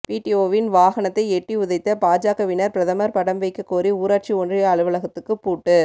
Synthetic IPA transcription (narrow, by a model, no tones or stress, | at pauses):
piːʈioːʋɪnʋaːɣɐnɐt̪ːɐɪɛʈriʊðɐɪt̪ːɐpaːd͡ʒaːkɐʋɪnɐɾpɪɾɐðɐmɐɾpɐɽɐmʋɐɪkːɯkːoːɾiuːɾaːʈ̚t͡ʃiɔndrɐjɐɐɭɯʋɐɭɐɣɐt̪ːɯkːɯpːuːʈːɯ